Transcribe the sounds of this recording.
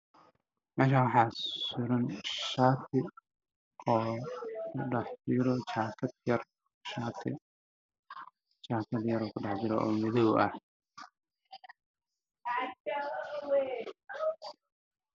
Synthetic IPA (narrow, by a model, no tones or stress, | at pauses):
mɛːʃ̬aːwɑħɑːsʊɾɐnʃaːt̪ʰɪ | ɔːkʰʊɖɑħd͡ʒɪɾɔt͡ʃaːkʰɐd̪̚jɐr | ʃaːt̪ʰɪ̰ | t͡ʃaːkʰɐd̪jɐɾɔːkʰʊɖɑħd͡ʒɪɾɔ̰ʔɔ̰ːmɪðɔwʔɐ̰h